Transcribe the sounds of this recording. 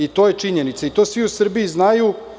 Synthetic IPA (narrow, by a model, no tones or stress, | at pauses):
it̪o̞ːje̞t͡ʃiɲenit̪sait̪o̞ːsʋiusr̩biiznaju